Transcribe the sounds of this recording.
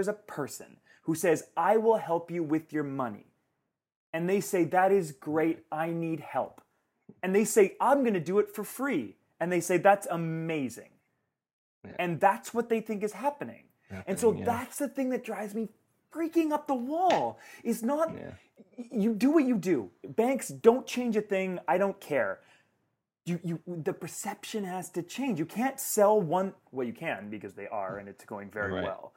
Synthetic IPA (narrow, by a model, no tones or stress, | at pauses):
ə˞zəpʰɜ˞sɨ̰̃n | husɛzaɪwɪlˠhɛlˠpjɨwɪðjə˞mʌ̰nḭ | ɨ̃nðeɪseɪðɨɾɪzɡɹeɪɾaɪnid̚hɛ̰lˠp | ɨ̃nðeɪseɪʔãɪ̃mɡʌnɨdɨɨtfə˞fɹi | ɨ̃nðeɪseɪðætsəmeɪzɪ̰̃ŋ | ɨ̃nðætswʌt̪̚ðeɪθɪ̃ŋk̬ɨz̥hæpɨnɪ̰̃ŋ | ɨ̃nsoʊðætsðɨθɪ̃ŋðɨt̚d̥ɹaɪvzmi | fɹikɪ̃ŋʌp̚ðəwɔlˠɨtsnət̚ | jɨdɨwʌt͡ʃɨdɨbæ̃ŋksd̥õʊ̃nt͡ʃʰẽɪ̃nd͡ʒɨθɪ̃ŋaɪɾõʊ̃nkʰɛɹ | jɨjɨðɨpʰə˞sɛpʃɨ̃nhæz̥tɨt͡ʃʰẽɪ̃nd͡ʒjɨkʰæ̃ntsɛlˠwʌ̃n | wət͡ʃjɨkʰɨ̃nbɨkʌzðeɪʔə̰˞ɨ̰̃nɨtsɡ̥oʊɪ̃ŋvɛ̰ɹḭwɛ̰lˠ